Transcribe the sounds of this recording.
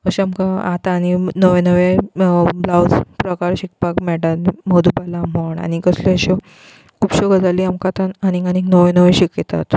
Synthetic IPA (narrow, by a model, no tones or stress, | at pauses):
əɕamkaat̪aːninəʋẽnəʋe | blawspɾəkaɾɕik̚pakmɛʈat̪mod̪upalam̤oɳa̰ñikəsloəɕɔ | kuːpɕoɡəd͡zaliamkat̪ananiɡaniknəʋẽnəʋẽɕiket̪a̰t̪